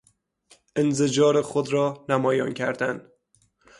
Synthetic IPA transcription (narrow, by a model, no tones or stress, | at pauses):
ʔenzed͡ʒɒːɾexod̪ɾɒːnæmɒːjɒ̰ːncʰæɾd̪æn